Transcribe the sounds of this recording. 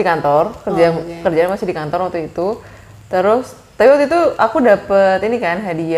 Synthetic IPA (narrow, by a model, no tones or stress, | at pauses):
ikant̪ɔrkərd͡ʒakərd͡ʒamasɪhdikant̪ɔrwat̪uit̪u | t̪əɾʊs | t̪apiwat̪uit̪uakudapət̪inikanɦadi